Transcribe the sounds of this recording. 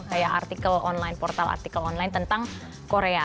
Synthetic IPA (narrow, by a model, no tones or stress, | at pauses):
kajaʔa̰rt̪ikəlɔnlajnpɔrt̪ala̰rt̪ikəlɔnlaɪnt̪ənt̪aŋ | koɾea